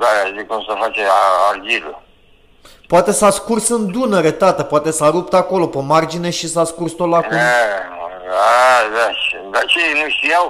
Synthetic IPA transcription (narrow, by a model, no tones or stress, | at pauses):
d̪aazikumsəfat͡ʃeaɾɡʲilə | poat̪e̞saskursɨnd̪unəɾet̪at̪əpoat̪e̞saɾup̚t̪ako̞lo̞pəmard͡ʒineʃisaskurst̪ot̪lakum | dad̪aʃd̪at͡ʃenuʃt̪ijaw